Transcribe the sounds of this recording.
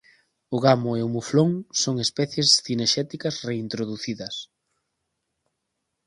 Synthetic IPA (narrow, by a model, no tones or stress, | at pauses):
ʊɣamʊeʊmufloŋsoŋespɛθjesθineʃɛt̪ikɐsreint̪ɾoðuθiðɐs